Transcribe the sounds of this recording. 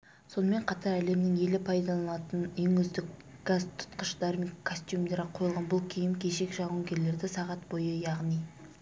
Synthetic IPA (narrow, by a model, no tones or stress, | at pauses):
so̞nəme̞ɴqʰɑt̪ɑɾæle̞mnɪŋe̞lɪpʰɑjd̪ɑlˠɑnɑt̪ənɪŋʏzd̪ɪk | ɡ̥azt̪ʰʊ̥t̪qəʃd̪̥armʲikkʰːosʲt̪jumd̪e̞ɾqʰo̞jəlˠʁɑnbʊlˠkʲʰijɪmkʲʰe̞ʃekʲʒɑʁuŋɡʲe̞ɾle̞ɾd̪ɪsɑʁɑt̪bojəjɑʁnij